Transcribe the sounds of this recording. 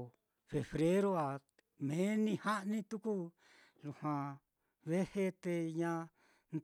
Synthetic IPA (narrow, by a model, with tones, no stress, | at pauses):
fe˨βɾe˦ɾo˦a˨ | mẽ˨˦nĩ˧ha˦ʔnĩ˦t̪u˦ku˦ | lu˧˨hwã˧ | βe˦he˦t̪e˧ɲã˧ | n